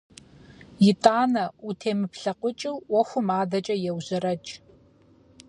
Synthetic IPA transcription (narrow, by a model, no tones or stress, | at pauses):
jɪtʼaːnɐutʰeːmɨpɬɐqʷʊt͡ʃʼɪwwɔxʷʊmaːdɐt͡ʃʼɐjɛwʑɐrɐt͡ʃʼ